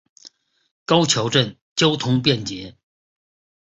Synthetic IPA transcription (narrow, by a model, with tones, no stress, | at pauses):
kɑ˥ʊt͡ɕʰjo˧˥ʊʈ͡ʂə˥˩n | t͡ɕjo˥ʊt̪ʰʊ˥ŋpjɛ˥˩nt͡ɕjɛ˧˥